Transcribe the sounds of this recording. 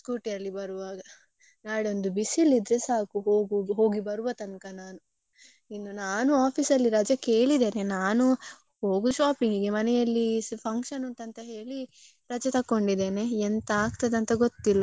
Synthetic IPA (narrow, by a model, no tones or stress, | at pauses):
kuːʈijɐlːibɐɾuʋaːɡɐ | naːɽeond̪ubisilːid̪ɾesaːkuɦoːɡuɦo̞ːɡibɐɾuʋɐt̪ɐnkɐnaːnu | inːunaːnuaːpʰisɐlːiɾɐd͡ʒɐke̞ːɭid̪eːnenaːnu | ho̞ːɡuʃaːpiŋɡiɡemɐnɛjɐlːipʰɐŋkʃɐnunt̪ɐnt̪ɐɦe̞ːɭi | ɾɐd͡ʒɐt̪ɐkːo̞ɳɖid̪e̞ːneent̪ɐaːɡt̪ɐd̪ɐnt̪ɐɡot̪ːilːɐ